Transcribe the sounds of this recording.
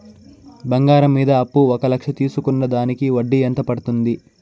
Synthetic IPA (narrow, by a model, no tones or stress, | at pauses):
bɐŋɡaːɾɐmːiːd̪ɐːpːuɔkɐlɐkʂɐt̪iːsukunːɐd̪aːnikiʋɐɖːient̪ɐpɐɽut̪und̪i